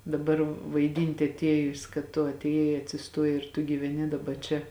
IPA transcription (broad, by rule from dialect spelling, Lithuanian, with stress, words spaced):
dɐˈbɐr ʋɐɪˈdʲiːnʲtʲɪ ɐtʲˈeːjʊs kɐt tʊ ɐtʲeːˈjɛɪ ɐtʲsʲɪˈstoːjɛɪ ɪr tʊ ɡʲiːʋʲɛˈnʲɪ dɐˈbɐ t͡ʃʲɛ